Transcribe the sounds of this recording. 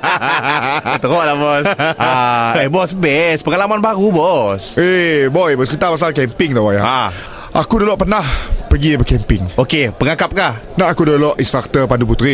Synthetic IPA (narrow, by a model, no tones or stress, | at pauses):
t̪əɾɔʔlabɔsaɛbɔsbɛspəŋalamanbaɾubɔsebɔjbəsəkit̪apas̬alkɛmpɪŋt̪awajaa | ʔakudolɔʔpənahpəɡibəkɛmpɪŋʔokepəŋakap̚kahnaʔakudolɔʔĩnst̪ɾak̚t̪əpandup̬ut̪ɾi